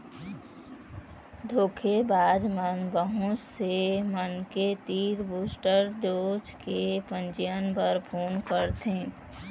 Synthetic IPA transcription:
d̪ʱoːkʰebaːd͡ʒmənbəɦʊ̃t͡ʃsemənket̪iːɾbuːsʈəɾd͡ʒoːt͡ʃkepə̃nt͡ʃijənpəɾpʰoːnkəɾt̪ẽː

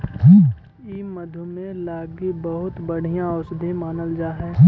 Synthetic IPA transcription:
ɦ | iːməd̪ʱumẽlaːɡibəɦʊt̪bəɽ̤ijãɔːsd̪ʱemaːnəld͡ʒaːɦɛː

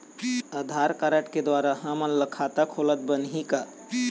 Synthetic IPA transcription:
əd̪ʱaːɾkaɾəʈked̪waːɾaɦãmənləkʰaːt̪akʰolət̪̚bənɦika

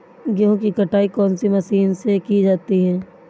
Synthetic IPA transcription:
ɡjõːkikɐʈʰaːikɔːnsimɐsiːnsekid͡ʒaːt̪iɦɛ̃ː

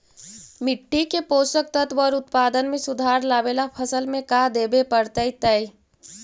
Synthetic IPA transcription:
mɪʈːikepoːsək̚t̪ət̪ʋɔɾʊt̪paːd̪ənmẽsʊd̪ʱaːɾlaːbelapʰəsəlmẽkad̪eːbepəɾt̪əit̪əj

